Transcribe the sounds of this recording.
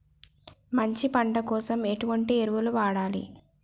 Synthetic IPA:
mɐɲt͡ʃipɐɳɖɐkɔːsɐme̞ʈuʋɐɳʈieɾuʋuluʋaːɽaːlḭ

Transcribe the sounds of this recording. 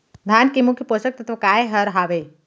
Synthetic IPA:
d̪ʱaːnkimukʰjəposək̚t̪ɐt̪ʰʋɐkaːeɦəɾɦaːʋe

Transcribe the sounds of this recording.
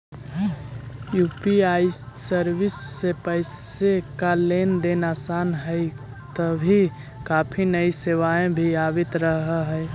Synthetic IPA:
jupiaisəɾʋɪsːepəɪsekalend̪enasaːnɦə | t̪əbʱi | kaːpʰinəiseʋaẽbʱiabɪt̪ɾəɦɦəj

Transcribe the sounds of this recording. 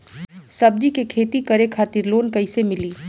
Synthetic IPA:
sɐb̚d͡ʒikekʰeːt̪ikɐɾekʰaːt̪ɪɾloːnkɐɪsemɪliː

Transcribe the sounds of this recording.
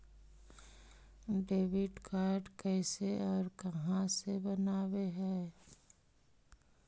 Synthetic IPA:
ɖeːʋɪɖkʰaːɾɖkɛːseʔɔːɾkɐɦãsebənaːweɦɛː

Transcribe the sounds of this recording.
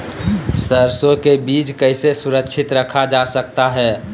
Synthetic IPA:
səɾsokebiːt͡ʃkəɪsesʊɾəkːʃʰɪt̪ɾəkʰad͡ʒasək̚t̪aɦɛː

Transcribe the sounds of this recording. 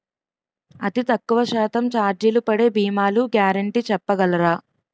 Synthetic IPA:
ɐt̪it̪ɐkːuʋɐʃɛːt̪ɐmt͡ʃaːɾd͡ʒilupɐɽe̞ːbʱiːmaːluɡjaːɾɐɳʈiːt͡ʃɛpːɐɡɐlɐɾaː

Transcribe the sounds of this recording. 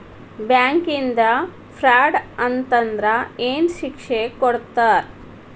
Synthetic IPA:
bjaːŋkind̪ɐ | pʰɾaːɖɐnt̪ɐnd̪ɾɐeːnʃikʂekɔɽt̪aːɾ

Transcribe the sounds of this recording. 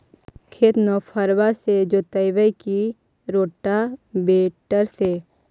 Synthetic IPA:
kʰeːt̪nɔːpʰəɾwased͡ʒoːt̪əɪʋəjki | ɾoːʈabeːʈəɾse

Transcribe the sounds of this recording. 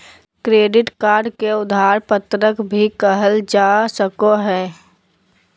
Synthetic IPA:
kɾeːɖɪʈkaːɾɖkeʊd̪ʱaːɾpət̪ɾəkbʱikəɦəld͡ʒasəkoɦɛː

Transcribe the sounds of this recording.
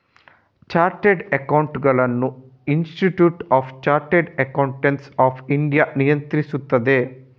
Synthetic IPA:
t͡ʃaːɾʈeɖɐkɐwɳʈɡɐɭɐnːu | insʈiʈjuːʈaːpʰt͡ʃaːɾʈeɖɐkɐwɳʈensaːpʰiɳɖijanijɐnt̪ɾisut̪ːɐd̪e̞

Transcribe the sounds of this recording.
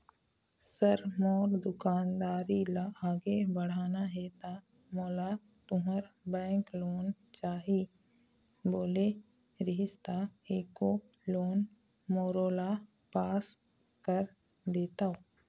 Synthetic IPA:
səɾmɔːɾd̪ʊkaːnd̪aːɾilaaːɡebəɽ̤aːnaɦɛt̪a | moːla | t̪ʊɦəɾbɛ̃ːŋkloːn | t͡ʃaːɦi | boːle | ɾɪɦɪst̪aeːko | loːn | moːɾoːla | paːs | kəɾ | d̪eːt̪aoː

